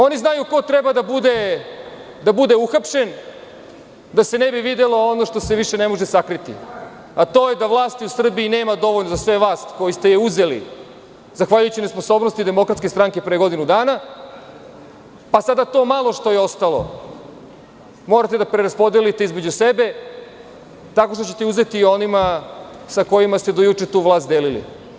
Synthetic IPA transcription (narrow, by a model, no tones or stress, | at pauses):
o̞niznajuko̞t̪ɾɛbad̪abud̪e̞ | d̪abud̪e̞uxapʃe̞n | d̪ase̞nebiʋid̪elo̞ono̞ʃt̪o̞se̞ʋiʃe̞nemo̞ʒesakɾit̪ḭ | at̪o̞ːjed̪aʋlˠaːst̪iusr̩biine̞ːmad̪o̞ʋo̞ʎnozasʋe̞ʋlaːst̪ko̞jist̪ejeuze̞lḭ | zaxʋaʎujut͡ɕinespo̞so̞ːbno̞st̪id̪emokɾat̪kest̪ɾaŋke̞pɾejeɡo̞d̪inud̪aːna | pasad̪at̪o̞ːmalˠo̞ʃt̪o̞jeo̞st̪alo̞̰ | moːɾat̪e̞d̪apɾeɾaspo̞d̪elit̪eizme̞d͡ʑusebe̞ | t̪ako̞ʃt̪o̞t͡ɕe̞t̪euze̞t̪iːo̞nima | sako̞jimast̪e̞d̪ojut͡ʂe̞t̪uːʋlˠaːst̪d̪eːlilḭ